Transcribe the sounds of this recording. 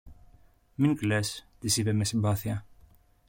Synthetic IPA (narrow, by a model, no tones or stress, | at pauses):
miŋklest̪isipemesimbɐθiɐ